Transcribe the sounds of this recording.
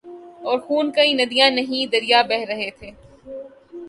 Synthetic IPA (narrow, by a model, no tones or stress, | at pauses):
ɔːɾxuːnkɐĩnɐd̪ijãnɐɦĩd̪ɐɾijabɛɦɾɐɦet̪ʰeː